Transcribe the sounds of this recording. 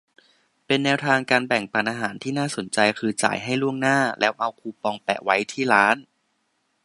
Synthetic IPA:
pe˧nːɛː˦˥wt̪ʰaː˧ŋkaː˧nbɛ˨˩ŋpaː˨˩nʔaː˧ɦaː˩˦nt̪ʰiː˥˩naː˥˩so˩˦nt͡ɕa˧jkʰɯː˧t͡ɕa̰ː˨˩jɦa˥˩jlu˥˩əŋnaː˥˩lɛː˦˥wʔa˧wkʰuː˧pɔː˧ŋpɛ̰˨˩ʔwa˦˥jt̪ʰiː˥˩ɾaː˦˥n

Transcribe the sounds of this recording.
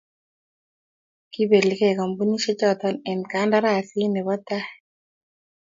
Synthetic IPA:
ki˦be˨li˨kɛ˦˨ka˨mbu˦ni˦ʃe˦t͡ʃɔ˦˨t̪ɔ˦nɛ˨nka˦nda˦ɾa˨si˦nɛ˨bɔ˦t̪a˦

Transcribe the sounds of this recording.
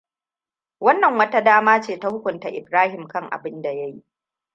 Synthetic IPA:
wɐ˦nːɐ˨ŋwɐ˦ta˦daː˦maː˦t͡ʃeː˦˨ta˦hʊ˦kʷʊ˨nta˨ʔɪ˨bɾaː˦hɪ˨mkɐ˦ŋʔa̰˨bɪ˦nda˨ja˦ji˦ʔ

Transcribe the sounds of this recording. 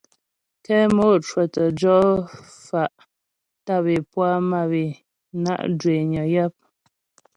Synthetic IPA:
kɛ˦mo˦˨t͡ʃwɛ˨tə˨d͡ʒɔ˦ | fa˨ʔ | ta˦˨be˨pwa˦ma˦˨be˨ | na̰˦ʔdwe˨ɲɔ˨ja˦p̚

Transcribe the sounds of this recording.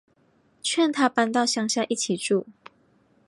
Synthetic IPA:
t͡ɕʰɥɛ˥˨nt̪ʰa˥pa˥nt̪ɑ˥˨ʊɕjɑ˥ŋɕja˥˧ʔi˥˩t͡ɕʰi˨˩ʈ͡ʂu˥˩

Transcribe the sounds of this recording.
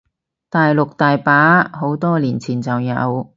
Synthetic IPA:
t̪aː˨jlʊ˨k̚t̪aː˨jpaː˨˥ɦo˨˥wt̪ɔː˥liː˨˩nt͡sʰiː˨˩nt͡sɐ˨wjɐ̰˨˧w

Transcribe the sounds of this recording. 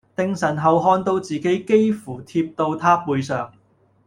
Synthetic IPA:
t̪ɪ˧ŋsɐ˨˩nɦɐ˨wɦɔː˧nt̪o˧wt͡siː˨˩ke˨˥jke˥jfuː˨˩t̪ʰiː˧p̚t̪o˧wt̪ʰaː˥puː˧jsœː˨˩ŋ

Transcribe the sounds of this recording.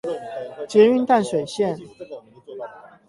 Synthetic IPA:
t͡ɕjɛ˧˥y˥˧nt̪a˥˩nʂwe˨˩ɪɕjɛ˥˨n

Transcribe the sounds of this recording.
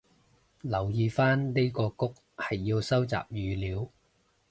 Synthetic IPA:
lɐ˨˩wjiː˨˧faː˥nne˥jkɔː˧kʊ˥k̚ | hɐ˨jːiː˧wsɐ˥wt͡sa̰ː˨p̚jyː˨˧liː˨˧w

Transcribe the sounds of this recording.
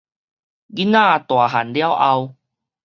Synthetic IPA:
ɡi˦nã˥˨t̪wa˨˩ɦa˨˩nlja˦wʔa˧w

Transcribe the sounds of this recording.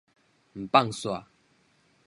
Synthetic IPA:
m̩˨pa˥˨ŋswa˨

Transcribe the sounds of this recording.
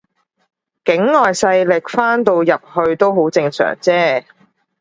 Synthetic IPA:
kɪ˨˥ŋŋɔː˨jsɐ˧jlɪ˨k̚faː˥nt̪o˧wjɐ˨p̚hɵ˧ɥt̪o˥wɦo˨˥wt͡sɪ˧ŋsœ̰ː˨˩ŋt͡sɛː˥

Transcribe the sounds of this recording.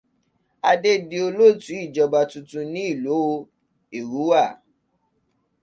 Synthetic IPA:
a˧de˦di˧o˧lo˦˨tũ˨˦i˦˨d͡ʒɔ˧ba˧tũ˧tũ˧nĩ˦i˦˨lo˨˦˧ | i˨ɾu˨˦wa˦˨

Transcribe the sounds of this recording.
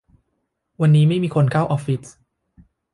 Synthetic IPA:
wa˧nːiː˦˥ma˥˩jmiː˧kʰo˧nkʰaː˥˩wʔɔː˧˥fi˦˥t̚

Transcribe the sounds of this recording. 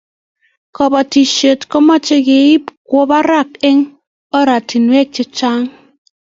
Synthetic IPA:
kɔ˨bɔ˨ti˨ʃe˨tkɔ˦ma˦t͡ʃe˦ke˨i˦pko˦ba˦ɾa˦˨kɪ˦ŋ | ɔ˦ɾa˨ti˨nwɛ˦k̚t͡ʃe˦t͡ʃa˦ŋ

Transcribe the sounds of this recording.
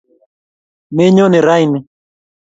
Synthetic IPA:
me˦ɲɔ˦ne˨ɾa˦jni˨

